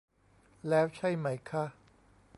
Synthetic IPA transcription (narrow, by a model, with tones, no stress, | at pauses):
lɛː˦˥wt͡ɕʰa˥˩jma˦˥jkʰa˦˥ʔ